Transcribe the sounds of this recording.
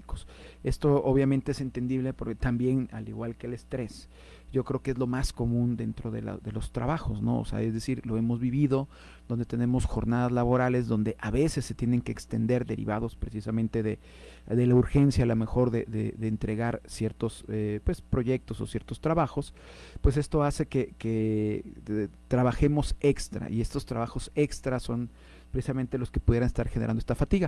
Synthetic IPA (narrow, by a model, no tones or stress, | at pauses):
ikose̞st̪o̞oβjamẽnt̪eese̞nt̪e̞nd̪iβle̞poɾket̪ambje̞na̰liɣwalke̞ːle̞st̪ɾe̞s | ɟ͡ʝo̞kɾe̞okee̞zlo̞masko̞mũnd̪ent̪ɾo̞ðe̞̰la̰ðe̞lo̞st̪ɾa̰βaxo̞zno̞̰o̰sḛa̰e̞zðesiɾlo̞e̞mo̞zβiβiðo̞ | d̪ond̪e̞t̪e̞ne̞mo̞sxo̞ɾnaðazlaβo̞ɾale̞zðo̞nd̪e̞ʔaβe̞sesːe̞t̪je̞ne̞ŋke̞ːkst̪e̞nd̪e̞ɾðe̞ɾḭβaðo̞spɾe̞sisamẽnt̪e̞ðe̞ | ðe̞lauɾxe̞nsjaːlome̞xo̞ɾðe̞̰ðḛðeːnt̪ɾe̞ɣaɾsje̞ɾt̪o̞sepwe̞spɾo̞ʝe̞k̚t̪o̞so̞̰sjeɾt̪o̞st̪ɾaβaxo̞s | pwe̞se̞st̪o̞ase̞ke̞ke | t̪ɾaβaxe̞mo̞se̞kst̪ɾa̰ʔie̞st̪o̞st̪ɾaβaxo̞se̞kst̪ɾaso̞n | pɾesisament̪e̞lo̞ske̞̥puðjeɾanest̪aɾxeneɾa̰ndoest̪afat̪iɣa